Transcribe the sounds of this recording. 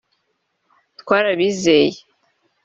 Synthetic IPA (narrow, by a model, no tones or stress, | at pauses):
t̪kwaːɾaβiːzeːje